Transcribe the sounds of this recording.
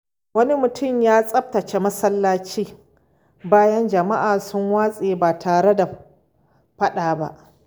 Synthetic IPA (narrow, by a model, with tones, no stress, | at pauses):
wɐ˦ni˦mʊ˨tʊ˦˨mjaː˦sʼɐ˦ɸ̚tɐ˨t͡ʃe˦mɐ˦sɐ˦lːaː˦t͡ʃiː˦ | baː˦jɐ˦nd͡ʒɐ˨ma˦ʔaː˨sʊ˦ŋwaː˦sʼeː˨baː˨tʰaː˨ɽe˦da˨ | ɸɐ˦ɗaː˨ba̰˦ʔ